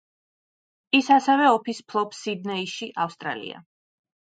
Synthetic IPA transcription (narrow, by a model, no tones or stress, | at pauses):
isasɛvɛɔpʰispʰlˠɔpsid̪nɛiʃiʔafst̪ʼɾa̰lḭa̰